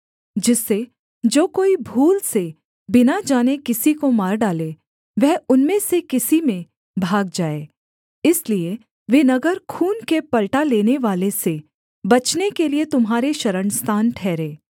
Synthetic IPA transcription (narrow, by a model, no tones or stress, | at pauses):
d͡ʒɪsːe | d͡ʒoːkoːibʱuːlse | bɪnad͡ʒaːnekɪsikomaːɾɖaːle | ʋɛɦʊnmẽsekɪsimẽ | bʱaːɡ̚d͡ʒaːeː | ɪslie | ʋeːnɐɡəɾkʰuːnkepɐlʈaleːneʋaːlese | bɐt͡ʃnekeliet̪ʊmɦaːɾeʃɐɾəɳst̪ʰaːnʈʰɛːɾẽː